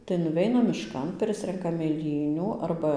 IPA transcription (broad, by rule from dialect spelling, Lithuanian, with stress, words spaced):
tɐɪ nʊˈʋʲɛɪnɐm mʲɪʃˈkɐn ˈpʲrʲɪsʲrʲɛŋkɐm mʲeːˈlʲiːnʲuː ˈɐrbɐ